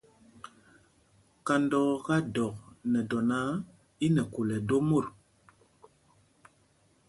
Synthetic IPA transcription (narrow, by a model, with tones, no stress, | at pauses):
ka˨ndɔ˨ɣa˦dɔ˨k̚nɛ˨dɔ˨na˦ | i˦nɛ˨ku˨lɛ˨do˦mo˦˨ɾ